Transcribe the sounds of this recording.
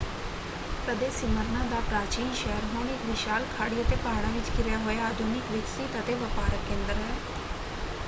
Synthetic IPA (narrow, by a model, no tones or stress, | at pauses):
kəd̪eːsɪməɾnãːd̪aːpɾaːt͡ʃiːnʃɛːəɾɦoːnɪkʋɪʃaːlkʰaːɽiːət̪eːpaːɽãːʋɪt͡ʃkɪɾjaːɦoːjaaːd̪ʱuːnɪkʋɪksɪt̪ət̪eːʋəpaːɾək̪kẽːnd̪əɾɦɛː